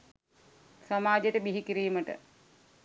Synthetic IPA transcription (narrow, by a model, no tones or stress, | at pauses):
samaːd͡ʒeʈəbiɦikiɾiːməʈə̰